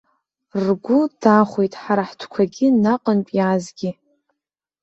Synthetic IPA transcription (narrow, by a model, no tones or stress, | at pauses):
rɡʷʊd̥aχʷejtʼħaɾaħtʷʰkʷʰaɡʲinaqʼənpʼjaːzɡʲɪ